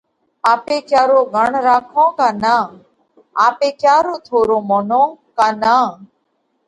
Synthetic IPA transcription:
aːpeːkjaːɾoːɡʱəɳɾaːkʰõːkaːnaː | aːpeːkjaːɾoːt̪ʰoːɾõːmonõːkaːnaː

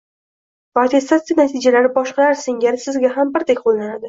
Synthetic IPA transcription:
pat̪ʰe̞st̪at̪sɪjanat̪ʰid͡ʒalaɾɪbɒʃqɑɾaɾsɪŋɡʲaɾɪsɪzɡʲaɦambɪɾd̪ekʲqʰolˠnanad̪ɪ

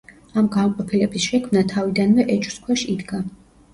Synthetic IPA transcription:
amɡaɔqʼɔpʰilɛbisʃɛkʰmnat̪ʰavid̪anvɛʔɛt͡ʃʼskʰwɛʃid̪ɡa

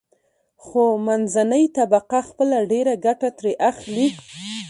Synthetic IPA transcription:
xomanzanəjt̪abaqaxpəlaɖeɾaɡaʈat̪ɾeʔaxli

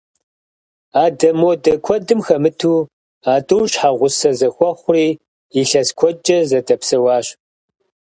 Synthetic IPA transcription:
aːdɐmodɐkʷʰɔdɨmxɐmɨtʰuː | aːtʼɨwɕħaʁʷʊsɐzɐxʷɔχʷʊriː | ɪɬɐskʷʰɔt͡ʃʼɐzɐtʰʼɐpsɐwɑːɕ

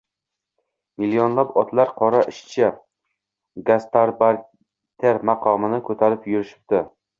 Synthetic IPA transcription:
milːionlapɒt̪ʰlaɾqʰɒɾaʔɪʃt͡ʃʰa | ɡast̪ʰaɾbaɾ | t̪ʰeɾmɑqʰɒmɪnɪkʰɵt̪ʰaɾɪpjʊɾɪʃɪ̥p̚t̪ɪ

